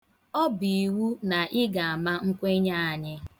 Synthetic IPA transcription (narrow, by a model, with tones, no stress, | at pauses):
ɔ˦bi˨i˨wu˦na˨ʔɪ˦ɡa˨a˨ma˦ŋ̩˦kʷe˦ɲa˦a˨ɲɪ˦